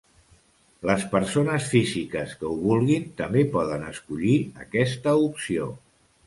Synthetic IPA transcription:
ləspəɾsonəsfizikəskəuβulˠɣint̪əmbepɔðənəskuʎiə̰kɛst̪əupsio̰

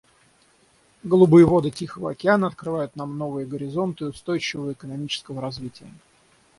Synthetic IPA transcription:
ɡəlˠʊbɨjəvo̞d̪ɨtʲixəvə̰ɐkʲɪanəɐt̪̚kɾɨvajʊt̪namno̞vɨjəɡəɾʲɪzo̞nt̪ɨʊst̪o̞jt͡ɕɪvəəɪkənɐmʲit͡ɕɪ̥skəvəɾɐzvʲitʲɪjə

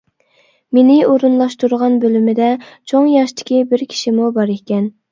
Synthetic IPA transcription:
menɪoɾunlˠɑʃt̪uɾʁɑnbølymɪd̪ɛt͡ʃʰoŋjɑʃt̪ʰɪ̥kʲibɪɾkʲʰi̥ʃimubɑɾekʲɛn

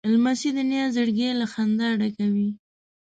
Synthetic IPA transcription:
ɪlmasid̪ənjɑzəɽɡelaxand̪aɽakawi

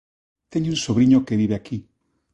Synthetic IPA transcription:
t̪eɲunsoβɾiɲokeβiβeaki

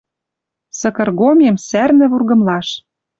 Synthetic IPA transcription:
sɤ̆kɤ̆rɣomʲemsærnɘ̆βurɣɤ̆mlɑʃ

